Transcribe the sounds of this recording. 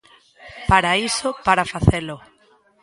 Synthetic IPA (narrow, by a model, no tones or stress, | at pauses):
paɾaisopaɾafaθelo